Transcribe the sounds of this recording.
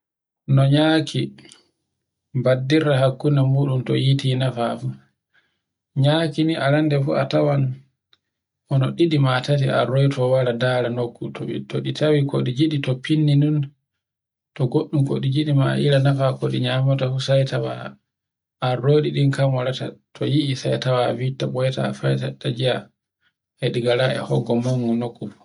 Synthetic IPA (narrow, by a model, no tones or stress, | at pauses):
nɔɲaːkʰi | badːiɾaɦakːunamuːɗumtɔ̰jitinafafu | ɲaːkiniʔalandɛfṵa̰tawan | ʔɔnɔɗiɗimatat̬ia̰ɾojtʰɔwaɾadaːlanokːutʰɔɓḭtɔɗitʰawikʰɔɗid͡ʒiɗitɔpʰinːinun | tɔɡoɗːumko̰ɗid͡ʒiɗima̰ʔilanafakoɗiɲamɔtafusajtawa̰ː | roːɗiɗinkamɔlata̰tʰɔ̰jiʔisajtawavitːaɓɔjɛta̰fajtatːad͡ʒija | ɛɗiɡalaɛ̰hɔɡːɔmɔŋɡɔnokːum